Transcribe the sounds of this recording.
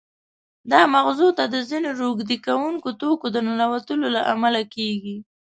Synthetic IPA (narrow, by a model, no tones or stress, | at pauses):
d̪ɑmaɣzot̪ad̪əzinoɾoɡd̪ikawuŋkot̪okod̪ənanawat̪əlolaʔamalakeɡi